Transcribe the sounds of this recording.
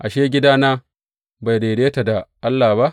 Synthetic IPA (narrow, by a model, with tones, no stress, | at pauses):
ʔa˨ʃeː˦ɡʲɪ˦daː˦naː˦ | ba˨jde˨deː˦ta˨da˨ʔa˦lːaː˨hba˦ʔ